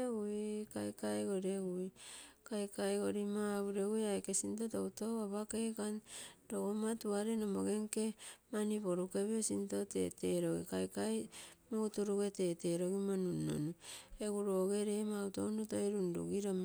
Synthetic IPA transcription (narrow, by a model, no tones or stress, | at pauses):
eɡujkajkajɡoɾeɡujkajkajɡoɾimaβuɾeɡujajkesintotoutoaβakekandoɡomatuaɾenomoɡe̞ŋkemanipoɾukeβeosintotḛteɾoɡḭkajkajmoutuɾuɡeteːteɾoɡimonunːo̰nueɡuɾoːɡeɾemautounotoiɾundṵɡiɾom